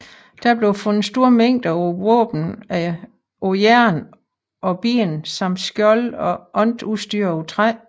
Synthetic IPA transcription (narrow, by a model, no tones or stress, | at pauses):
d̥æɐb̥le̝ʊfɔnnsd̥o̝ɐ̰meŋ̰d̥ɐʋo̰ːb̥n̩æ | ojæɐ̰n | ʔɒ̽b̥ḭːnsɑ̈m̰d̥sɡ̥jɒ̽lɒ̽ʔɒ̽nd̥usd̥yːɐ̰ot͡sʰʁa